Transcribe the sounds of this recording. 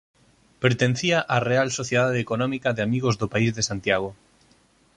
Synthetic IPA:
peɾt̪en̟θiaʔarealsoθjeðaðekonɔ̃mikaðeamiɣ̞ozðopaizðesant̪jaɣ̞o

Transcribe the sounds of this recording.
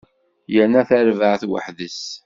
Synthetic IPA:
jənːæθæɾvəʕθwə̰ħðəs

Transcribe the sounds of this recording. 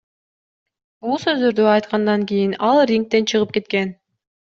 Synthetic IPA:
bulˠsø̞zd̪ø̞ɾd̪øɑjt̪qɑnd̪ɑŋkʲijinɑlˠrʲiŋk̚t̪e̞nt͡ʃʰɯʁɯp̚ke̞t̪ke̞n

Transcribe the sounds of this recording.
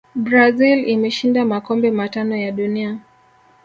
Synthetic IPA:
bɾazilimɛʃindamakɔmbɛmatanɔjaɗunia

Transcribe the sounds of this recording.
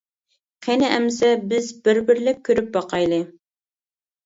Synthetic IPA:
qʰɛnɪʔɛmsɛbɪzbɪɾbɪɾlɪk̚ʲʰːøɾyp̚bɑqʰɑjlˠɨ

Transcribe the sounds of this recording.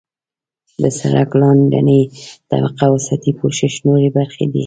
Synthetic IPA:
d̪əsaɾa̰klɑnɖa̰nəjt̪a̰baqawasat̪ipoʃɪʃnoɾebaɾxed̪ḭ

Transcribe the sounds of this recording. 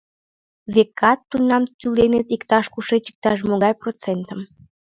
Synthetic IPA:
βekɑt̪ːunːɑmt̪ylenet̪ikt̪ɑʃkuʃet͡ɕi̥k̚t̪ɑʃmoɣɑjprot͡sent̪əm

